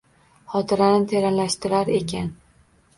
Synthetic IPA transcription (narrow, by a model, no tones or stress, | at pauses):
χɒt̪ʰɪɾanɪt̪ʰe̞ɾanlaʃt̪ɪɾaɾe̞kʲʰan